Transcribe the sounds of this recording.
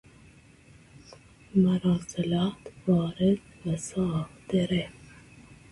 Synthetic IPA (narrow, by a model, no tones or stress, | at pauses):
maɾɑːsɪlɑːt̪wɑːɾɪd̪̚wasɑːfd̪eɾe